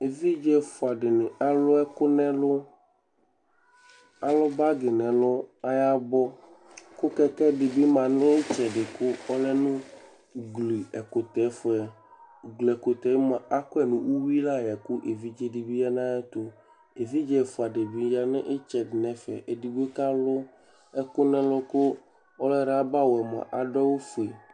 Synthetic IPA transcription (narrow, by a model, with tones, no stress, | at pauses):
e˨vi˦d͡ʒɛ˦fo˨a˨ɖɪ˨nẽ˨a˦lʊ˦ɛ˦kʊ˦nɛ̃˦lʊ˦ | a˨lɔ˦ba˦ɡɪ˨nɛ̃˨lʊ˦a˦ja˦bɔ˦ | kʊ˦kɛ˦kɛ˦ɖɪ˨bi˦mã˨nɪ̃˦e˦t͡ʃɛ˨ɖɪ˨kʊ˦ɔ˦lɛ˦nũ˦ | ɡli˨ɛ˨ko˨t̪ɛ˨˦fo˨˦ɛ˨ | ɡlɛ˨ko˨t̪ɛ˨˦mã˨a˦kɔ˦ɛ˨nũ˦wu˦wi˦la˦jɛ˨ku˦ʔe˨vi˦d͡ʒɛ˦ɖi˨bi˦a˦nã˦ɛ˦t̪o˦ | e˨vi˦d͡ʒɛ˦˨fo˨a˨ɖe˨bi˨˦d͡ʒa˦nẽ˦ʔe˦t͡ʃɛ˨ɖɪ˨nɛ̃˨fɛ̰˨ʔe˨di˨ɡe˦ka˦lʊ˦ | ɛ˦kʊ˦nɛ̃˨lɔ˦kʊ˦ | ɔ˦lɛ˦ɾa˦ba˦wo˨ɛ˨mã̰˨ʔa˨ɖɔ˦wo˦fe˨